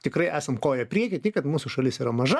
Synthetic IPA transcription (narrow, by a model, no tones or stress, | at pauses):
t̪ʲɪkrɐɪʔæːsɐmkoːjɛpʲɾʲiɛkʲɪt̪ʲɪkɐt̪muːsʊʃɐlʲɪsiːɾɐmɐʒɐ